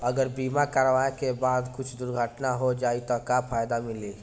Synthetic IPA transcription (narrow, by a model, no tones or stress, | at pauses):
əɡəɾbiːmakaːɾəʋaekebaːd̪kʊt͡ʃʰd̪ʊɾɡʱəʈnaɦod͡ʒait̪ɔkapʰajd̪amili